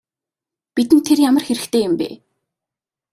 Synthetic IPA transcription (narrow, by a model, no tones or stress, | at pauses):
pit̪ɘnt̪ʰːerjamə̆rxeɾɘ̆xt̪ʰeːjʊmpḛː